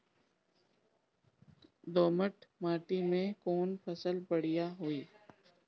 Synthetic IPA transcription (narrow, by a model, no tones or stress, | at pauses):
d̪oːməʈmaːʈimẽkɔːnpʰəsəlbəɽ̤ɪjaɦoiː